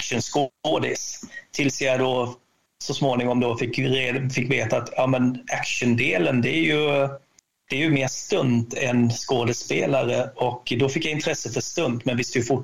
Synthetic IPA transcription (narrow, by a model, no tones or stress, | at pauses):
kʂənskoːd̪ɪst̪ʰɪlsjad̪ɔ | sɔsmoːnɪŋɔmd̪ɔfɪkːɾfɪkːveːt̪aːt̪ʰjɑːmɛnækʂənd̪eːlənd̪ɛæɾjɵ | d̪̥ɛæɾjɵmeːʂt̪ɵnt̪ɛnskoːd̪əspeːlaɾəɔkːd̪ɔfɪkjaɪnt̪ʰɾɛsːəfœʂt̪ɵnt̪mɛnvɪst̪jɵfʊ